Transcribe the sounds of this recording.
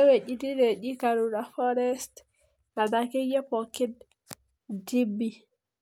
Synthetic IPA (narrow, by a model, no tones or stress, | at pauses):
ɛwed͡ʒidiɾed͡ʒikaɾuɾafɔɾɛst | nadakɛjɛpɔkid | d͡ʒibi